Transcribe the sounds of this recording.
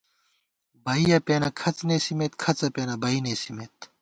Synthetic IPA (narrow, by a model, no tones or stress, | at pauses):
bɐijɐpeːnɐkʰɐt͡sneːsimeːt̪kʰɐt͡sɐpeːnɐbɐineːsimeːt̪